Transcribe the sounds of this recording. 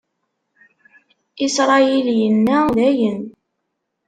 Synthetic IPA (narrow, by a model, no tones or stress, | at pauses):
isɾˤɑjiljənːæðæjən